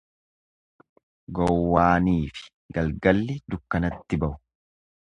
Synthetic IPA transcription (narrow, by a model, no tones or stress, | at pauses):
ɡɔwːaːniːfɪ̥ | ɡɐlɡɐlːɪd̪ʊkːɐnɐt̪ːɪbɐʔʊ̥